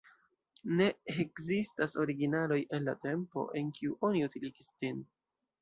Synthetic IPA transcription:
ne̞ekzistaso̞ɾiɡinalo̞je̞nlate̞mpo̞̰ʔe̞nkiuʔo̞niutiliɡistin

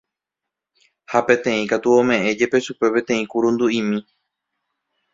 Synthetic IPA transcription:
hapẽ̞t̪ẽ̞ĩkat̪uõmẽ̞ʔẽ̞d͡ʒe̞pe̞ʃupe̞pẽt̪ẽ̞ĩkuɾũnd̪uĩmĩ

